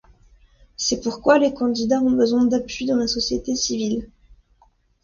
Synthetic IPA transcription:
sɛpuʁkwalekɑ̃d̪id̪aɔ̃bəzwɛ̃d̪apɥid̪ɑ̃lasɔsjet̪esivil

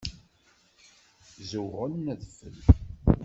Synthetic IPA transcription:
zəwʁəlmæðfə̰l

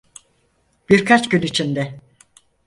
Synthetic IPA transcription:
b̥iɾkʰat͡ʃɟynit͡ʃʰind̪ɛ

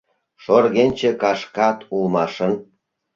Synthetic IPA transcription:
ʃorɣenʲt͡ɕekɑʃkɑt̪ulmɑʃən

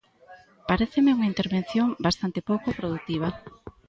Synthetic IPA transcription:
paɾeθemeuŋaint̪eɾβen̟θjoŋbast̪ant̪epowkopɾoðut̪iβ̞a

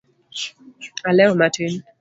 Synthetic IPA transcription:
alɛmatʰin

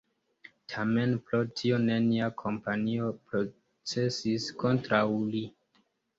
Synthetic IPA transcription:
tʰame̞npɾotʰio̞ne̞niakʰo̞mpanio̞pɾo | t͡sesisko̞ntɾawli

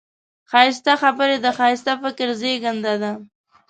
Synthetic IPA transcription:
xɑɪst̪axabəɾed̪əxɑjɪst̪afɪkɾzeɡand̪ad̪a

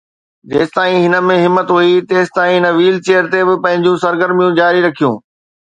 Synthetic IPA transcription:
d͡ʑeːst̪aːĩɦɪnə̆mẽɦɪmːət̪ɦuit̪eːsɪ̥t̪aːĩɦɪnəʋiːlt͡ɕeːəɾt̪ebɪpɐ̃ɦɪ̃ɲd͡ʑũsɐɾɡəɾmijũd͡ʑaːɾiɾɐkʰijũː

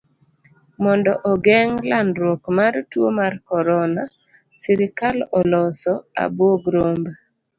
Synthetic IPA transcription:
mɔndɔʔɔɡɛŋlanɾwokmaɾtwomarkɔɾɔna | siɾɪkalɔlɔsɔa̰bwoɡɾomba

